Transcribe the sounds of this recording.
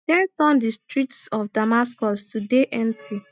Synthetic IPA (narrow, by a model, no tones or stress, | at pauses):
dɛ̃ntɔ̃ndistɹitsɔfdamaskɔstudeʔɛ̃ntʰi